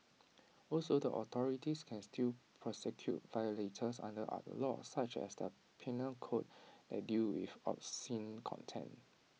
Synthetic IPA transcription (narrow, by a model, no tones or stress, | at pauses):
ɔlsodəʔɔt̪ʰɔɹitiskʰɛ̃nstʰilpʰɹɔsɛkʰjṵt̚vajoletʰəsã̰ndəʔa̰tlɔ̰sat͡ʃɛ̰sdə | pʰɛnəlkʰot̚dɛ̰t̚dilwḭfɔ̰psĩnkʰɔ̰̃ntʰɛ̰̃n